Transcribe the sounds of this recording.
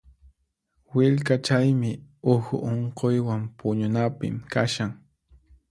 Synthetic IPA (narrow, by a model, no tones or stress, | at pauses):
wɪʎkat͡ʃajmɪʊxʊ̰ʔoɴqojwampʊɲʊnapɪ̰mkaʃaŋ